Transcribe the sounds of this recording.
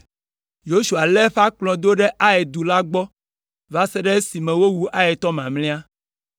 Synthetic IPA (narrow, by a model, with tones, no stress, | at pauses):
jo˦ʃu˨a˨lɛ˦ɸa˦k͡plɔ̃˨d̪o˦ɖe˦ʔa˦e˨d̪u˨la˦ɡ͡bɔ˦ | va˦sɛ˦ɖɛ˦si˨mɛ̃˨wo˦wu˦ʔa˦e˨t̪ɔ˦mã˨mlɛ̃˦a˦